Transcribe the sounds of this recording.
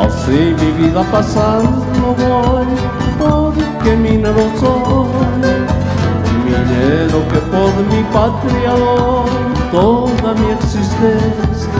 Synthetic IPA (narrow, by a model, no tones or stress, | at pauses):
a̰simiβiðapasan | noβoj | poɾkemineɾosoɲ̰ | mineɾokepoðmipat̪ɾialo | t̪oðamĩeksist̪ensja